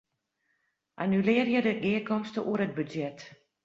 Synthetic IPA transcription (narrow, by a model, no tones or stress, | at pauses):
ʔanylɪərjədəʔiəkɔmstəʔuəɾət̚bydjɛt